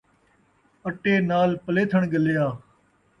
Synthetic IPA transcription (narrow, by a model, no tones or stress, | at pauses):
əʈeːnaːlpəleːt̪ʰəɳɡəljaː